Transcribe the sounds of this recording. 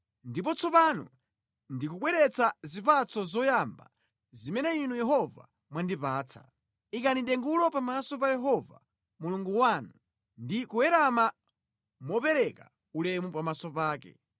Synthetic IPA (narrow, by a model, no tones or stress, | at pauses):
ndipɔt͡sɔpanɔ̰ | ndikuɓwɛɾɛt͡sazipat͡sɔzɔjamba | zimɛnɛinujɛɦɔva̰ | mwandipaːt͡sʰḁ̰ | ikaniɗɛŋɡulɔpamasɔpajɛɦɔva̰ | muluŋɡuwanu | ndikuɛɾama | mɔpɛɾɛka | ulɛmupamasɔpaːkɛ̰